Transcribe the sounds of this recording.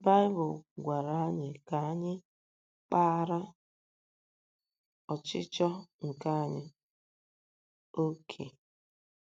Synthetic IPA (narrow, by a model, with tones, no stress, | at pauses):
ba˦ɪ˦bʊ˨lɡʷa˨ɾa˨˦a˦ɲɪ˨ka˨˦ɲɪ˦ | k͡pa˦ɾa˦ | ɔ˨t͡ʃɪ˦t͡ʃɔ˦ŋ̩˨ka˦ɲɪ˨ | o˦kʰḛ˨